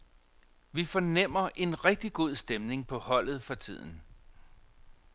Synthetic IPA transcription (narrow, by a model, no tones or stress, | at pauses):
ʋifɒnem̰ɐʔe̝nʁɛɡ̥̚d̥iɡ̥o̝ð̞̰ˠsd̥emne̝ŋpʰɒ̽hɒ̽l̰ð̩ˠfɒ̽t͡sʰið̰ˠn̩